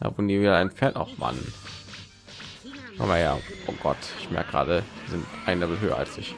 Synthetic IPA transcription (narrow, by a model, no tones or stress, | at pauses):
d̥a̰ːvʊːnndiːviːdaaɪnfeːɐta̰ʊxva̰nən | ma̰maja̰ːʔoːɡ̥ɔtɪçmɛ̰ɐk̚ɡ̥ʁa̰ːɾəviːzɪntʔaɪnlabəl̩ɦøːɐ̰a̰lsɪç